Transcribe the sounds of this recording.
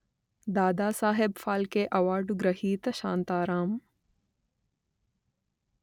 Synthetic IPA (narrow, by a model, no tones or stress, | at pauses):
d̪aːd̪aːsaːɦebfaːlkeʔɐʋaːɖuɡɾɐɦiːt̪ɐʃa̰ːnt̪aːɾaːm